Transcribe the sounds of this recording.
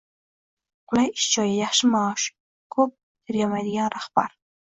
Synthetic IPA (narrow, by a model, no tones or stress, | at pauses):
qʊlˠajɪʃt͡ʃʰɒjajaχʃɪmaɑːʃ | kʰɵp̚ | t̪ʰɪɾjɑmajd̪ɪɡʲanɾaχb̥aɾ